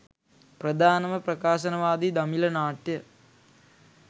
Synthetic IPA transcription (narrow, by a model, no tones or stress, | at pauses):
prɐd̪ʱaːnɐmɐprɐkaːʃɐnɐʋaːd̪id̪ɐmilɐnaːʈjə